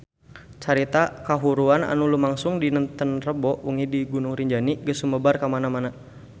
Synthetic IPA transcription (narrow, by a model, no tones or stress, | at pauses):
t͡ʃaɾit̪akaɦuɾuana̰nulumaŋsʊŋdinənt̪ənrəbɔʔuŋidiɡunʊŋɾiɲd͡ʒaniɡəsuməbarkamanamana